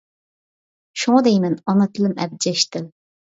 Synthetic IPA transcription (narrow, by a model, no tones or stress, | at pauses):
ʃuŋɑd̪ɛjmɛnɑnɑt̪ʰɨlɪmɛ̰b̚d͡ʒɛʃt̪ɪl